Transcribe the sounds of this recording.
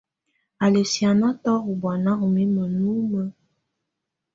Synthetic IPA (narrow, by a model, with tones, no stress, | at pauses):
a˨le˨si˨a˨na˦tɔ˦u˨bwa˨na˦u˨mi˦mə˨nu˦mə˦